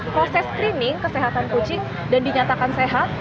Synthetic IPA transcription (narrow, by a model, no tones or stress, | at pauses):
pɾosɛskɾinɪŋkəseɦat̪ankut͡ʃɪŋ | dandiɲat̪akanseɦat̪̚